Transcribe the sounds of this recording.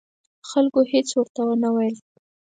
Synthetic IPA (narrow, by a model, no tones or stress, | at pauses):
xalkohet͡swəɾt̪awənawajəl